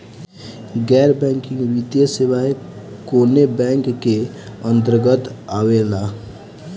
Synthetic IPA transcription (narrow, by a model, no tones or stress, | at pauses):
ɡɛːɾbɛ̃ːŋkɪ̃ŋɡwit̪jəsewae | koːnebɛ̃ːŋkːe | ə̃nt̪əɾɡət̪aʋelaː